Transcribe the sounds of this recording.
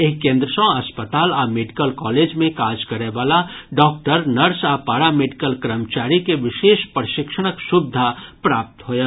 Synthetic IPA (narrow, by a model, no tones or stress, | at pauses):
eːkẽːnd̪ɾəsɔ̃ɐspət̪aːlaːmeːɖɪkəlkɔːleːd͡ʒmẽkaːd͡ʒkɐɾeʋaːlaɖɔːk̚ʈəɾnɐɾsaːpaːɾameːɖɪkəlkɾəmt͡ʃaːɾikeʋɪʃeːʃpɾʃɪkʃəɽ̃əksʊbd̪ʱapɾaːp̚t̪ɦoːje